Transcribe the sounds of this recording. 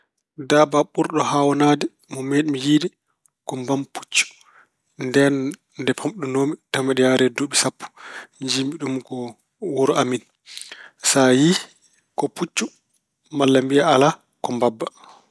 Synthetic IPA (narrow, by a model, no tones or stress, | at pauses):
daːbaɓuɾɗɔhawɔnaːdɛ | mɔmeɗimjiːdi | kɔmbampʰu̥t͡ʃːu̥ | ndɛn | dɛpʰɔmɗunoːmitamɛɗɛjaɾɛduɓisapːu̥ɲd͡ʒimiɗumkɔ | wuɾʔamin | saji | kɔput͡ʃːu | malːambijaala | kɔmbabːa